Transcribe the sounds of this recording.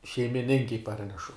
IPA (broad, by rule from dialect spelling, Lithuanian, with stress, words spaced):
ʃʲɛɪmʲɪˈnʲɪŋʲkʲɛɪ ˈpɐrʲnʲɛʃʊ